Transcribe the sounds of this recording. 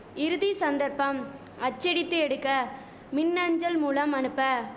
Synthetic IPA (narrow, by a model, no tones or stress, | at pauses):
ɪɾɯðisɐnd̪ɐɾpɐm | ɐt͡ʃːɪɽɪt̪ːɯɛɽɯkːɐ | mɪnːɐɲd͡ʒɐlmuːlɐmɐnɯpːɐ